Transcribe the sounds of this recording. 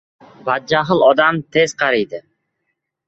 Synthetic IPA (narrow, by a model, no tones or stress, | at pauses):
bad̪̚d͡ʒaɦɨlˠɒd̪amt̪ʰez̥qʰɑɾijd̪ɪ